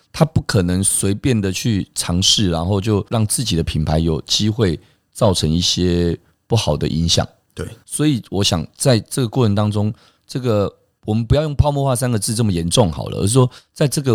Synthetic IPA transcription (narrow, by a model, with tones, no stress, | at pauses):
t̪ʰa˦pu˥˩kʰə˨˩nə˧˦ŋswe˧˥ɪpjɛ˥˩nd̪ə˨t͡ɕʰy˥˩ʈ͡ʂʰɑ˧˥ŋʂɻ̩˥˩ɻa˧˦nxo˥˧ʊt͡ɕjo˥˧ʊɻɑ˥˩ŋt͡sɹ̩˥˩t͡ɕi˨˩d̪ə˦pʰi˨˩npʰa˧˥ɪjo˨˩ʊt͡ɕi˦˥xwe˥˩ɪ | t͡sɑ˥˩ʊʈ͡ʂʰə˧˥ŋi˥˩ɕjɛ˦ | pu˥˩xɑ˨˩ʊd̪ə̰˦ʔḭ˧˥ŋɕjɑ̰˨˩ŋ˩ | swɔ˧˥i˨˩wɔ˧˦˥ɕjɑ̰˨˩ŋt͡sa˥˧ɪʈ͡ʂə˥˩ɡə˩kwɔ˥˩ʈ͡ʂʰə˧˦nt̪ɑ˥ŋʈ͡ʂʊ˥ŋ | ʈ͡ʂɤ˥˩ɡə˨ | wɔ˨˩mə˨npu˧˥jɑ˥˧ʊjo˥˩ŋpʰɑ˥˧ʊmɔ˥˧xwa˥˩sa˥nɡə˨t͡sɹ̩˥˧t͡sə˥˩mə˩jɛ˧˥nʈ͡ʂʊ˥˨ŋxɑ̰˨˩ʊlə̰˦ə̰˧ʂɻ̩˥˩ʂwɔ˥t͡sa˥˧ɪʈ͡ʂɤ˥˩ɡə˨